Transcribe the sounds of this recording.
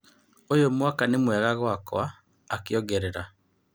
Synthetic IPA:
ojomwakanemwɛɣaɣwakɔ̰aː | kjɔɡɛɾeɾa

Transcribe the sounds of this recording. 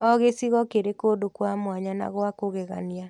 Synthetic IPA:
ɔɣesiɣɔkeɾekodokwamwaɲana̰ɣwakoɣɛɣa̰nia

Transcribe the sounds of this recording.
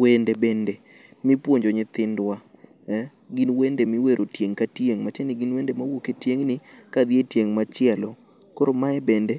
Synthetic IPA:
wendebɛnde | mɪpwoɲd͡ʒoɲɪt̪ɪndwa | ɡinwendemɪweɾʔotjeŋkatjeŋmat͡ʃenɪɡinwendemawoketjeŋnɪkad̪jetjeŋmat͡ʃɪɛlɔ | koɾomaɛbɛnde

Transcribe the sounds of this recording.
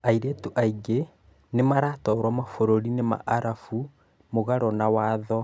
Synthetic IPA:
aiɾetuʔaiɡe | nemaɾaːtɔɾwamafoɾoɾinema̰ʔaɾafu | moɣaɾɔnawaːðɔ

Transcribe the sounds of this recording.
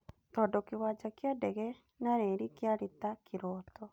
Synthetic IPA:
t̪ɔdɔkɪwad͡ʒakjadɛɡɛ | naɾeɾikjaɾit̪akʰɪɾɔt̪ɔ

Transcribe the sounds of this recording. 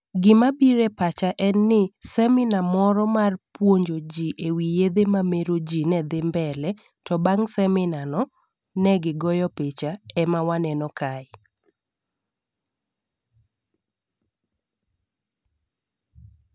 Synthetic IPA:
ɡɪmabiɾɛpat͡ʃaʔɛnːɪsɛmɪnamɔɾɔmarpwoɲd͡ʒod͡ʒiʔewijed̪emameɾod͡ʒinɛd̪ɪmbɛlɛ | tɔbaŋsɛmɪnanɔ | nɛɡɪɡɔjɔpet͡ʃaɛmawanɛnɔkʰaɪ

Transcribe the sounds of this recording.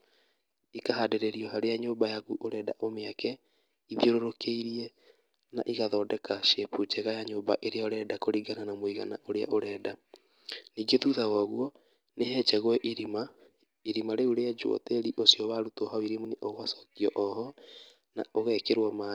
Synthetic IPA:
ikahadeɾeɾiɔɦaɾejaɲoːmbajaɣuʔoɾɛːda̰ʔomeakɛ | iðjoɾoɾokeiɾiɛ | naʔiɣaðɔːdɛkaʃeput͡ʃɛɣajaɲoːbaʔeɾeɔɾɛːdakoɾiɡananamoiɣa̰na̰ʔoɾea̰ʔoɾɛːda | niːŋɡeðuðaɣwaɣuɔ | nehɛːt͡ʃɛɣwɛʔiɾima | iɾimaɾeuɾead͡ʒwɔ̰teɾiʔosjɔβaɾutohawiɾimuneʔoɣasɔ̥kiɔʔɔhɔ | na̰oɣɛkeɾwɔma

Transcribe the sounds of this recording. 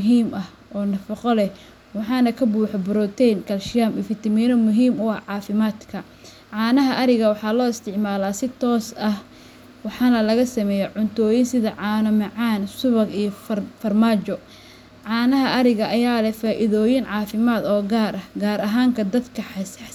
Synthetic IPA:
ɦiːmɐh | ʔɔːnɐfɐqɔlɛ | wɑħɑːnɐkʰɐbuːħɔbʊɾɔt̪ʰɛjnkʰɐlʃɪjaːmɪfɪt̪ɐmiːnɔmʊɦiːmʊɐʕɑːfɪmaːd̪kʰɐ | ʕɑːnɐɦɐʔɐɾɪɣɐwɑħɑːlɔːɪst̪ʰɪʕmaːlaːsɪt̪ʰɔːsɐh | wɑħɑːnɐlɐɣɐsɐmɛːjɛʕʊnt̪ʰɔːjɪnsɪðɐʕɑːnɐmɑʕɑːnsʊβɐɡijɔffɐrmaːt͡ʃɔ | ʕɑːnɐɦɐʔɐɾɪɣɐʔɐjaːlɛfaːʔɪðɔːjɪnʕɑːfɪmaːd̪ɔːɡaːɾʔɐhɡaːɾɐɦaːŋkʰɐd̪ɐd̪kʰɐħɑs

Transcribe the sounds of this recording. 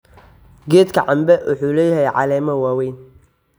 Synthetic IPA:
ɡɛːd̪kʰɐʕɑmbɛwʊ̰ħuːlɛjɦɛjʕɑ̰lɛːmɐwaːwɛːn

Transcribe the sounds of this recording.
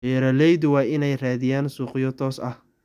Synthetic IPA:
ɛːɾɐlɛjðʊwɑːʔɪnɛjraːðɪjaːnsuːqɪjɔt̪ʰɔːsɐ̰h

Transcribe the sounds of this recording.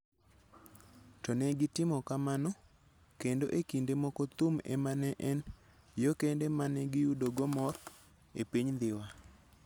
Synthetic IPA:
tɔnɛɡɪtɪmɔkamanɔ | kendoʔekindemɔkɔt̪umḛmanɛʔɛn | jokendemanɛɡɪjudoɡɔmɔr | ḛpiɲnd̪ɪwa

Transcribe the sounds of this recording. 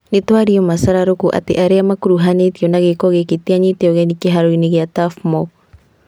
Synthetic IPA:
net̪waɾiɔmasaɾaɾokuʔa̰t̪ḛʔaɾeamakuɾuɦanet̪iɔnaɣekɔɣekit̪iaɲit̪eɔɣɛnikeɦaɾoineɣjat̪afmɔ

